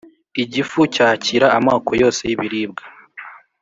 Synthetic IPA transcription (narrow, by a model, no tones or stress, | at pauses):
iɟifucaːciɾaːmaːkojo̞ːse̞jiβiɾiːb̚ɡa